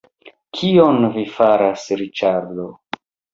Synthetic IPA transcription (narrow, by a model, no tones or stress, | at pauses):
kʰionvifaɾasɾit͡ʃaɾdo